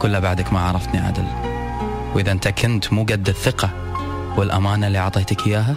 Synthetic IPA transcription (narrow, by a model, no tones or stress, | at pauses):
kʊlːabaʕd̪akmaʕɑɾˤɑft̪niʔa̰d̪ɪl | wʔɪðaʔɪnt̪akʰɪnt̪muːɡad̪ːɪθːɪqɑ | wɪlʔa̰maːnalːiʕɑʕt̪ˤeːt̪akɪjːaːɦa